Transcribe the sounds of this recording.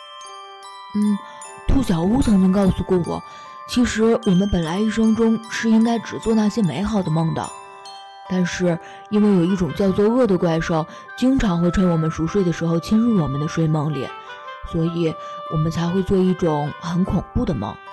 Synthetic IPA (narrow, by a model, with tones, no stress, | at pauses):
n̩˥˩ | t̪ʰu˥˩ɕjɑ˨˩ʊu˥t͡sʰɤ˧˥ŋt͡ɕi˥ŋkɑ˥˩ʊsu˨˧˩kwɔ˥˩wɔ̰˨˩˦ | t͡ɕʰi˧˥ʂɻ̩˧˥wɔ˨˩mə˦npə˨˩nla˧˥ɪi˥˩ʂɤ˥ŋʈ͡ʂʊ˥ŋʂɻ̩˥˩i˥ŋka˥ɪʈ͡ʂɻ̩˨˩t͡swɔ˥˧na˥˩ɕjɛ˥me˧˥ɪxɑ˨˩ʊd̪ə˦mɤ˥˩ŋd̪ə̰˩ | t̪a˥˧nʂɻ̩˥˩ | i˥nwe˥˩ɪjo˨˩ʊi˥˩ʈ͡ʂʊ˨˩ŋt͡ɕjɑ˥˧ʊt͡swɔ˥˧ɤ˥˩d̪ə˩kwa˥˧ɪʂɑ˥˩ʊ | t͡ɕi˥ŋʈ͡ʂʰɑ˧˥ŋxwe˥˧ɪʈ͡ʂʰwə˥nwɔ˨˩mə˦nʂu˧˥ʂwe˥˩ɪd̪ə˩ʂɻ̩˧˥xo˥˧ʊt͡ɕʰi˥nɻu˥˩wɔ˨˩mə˦nd̪ə˧ʂwe˥˧ɪmɑ˥˧ŋlɛ̰˧˩˦ | swɔ˧˥i˨˩˦wɔ˨˩mə˦nt͡sʰa˧˥ɪxwe˥˧ɪt͡swɔ˥˧i˥˩ʈ͡ʂʊ˨˩˦ŋxə˧˥nkʰʊ˨˩ŋpu˥˩d̪ə˩mɑ̰˥˩ŋ